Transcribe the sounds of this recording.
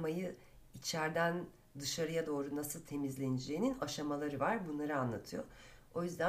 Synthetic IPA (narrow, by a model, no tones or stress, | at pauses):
majɯ | it͡ʃʰæɾd̪æn | d̪ɯʃaɾɯjad̪o̞ːɾunasɯlˠt̪ʰe̞mizlʲenid͡ʒe̞jininaʃamalˠaɾɯvaɾbunlˠaɾɯanlˠa̰t̪ʰɯjoo̞jyzd̪æ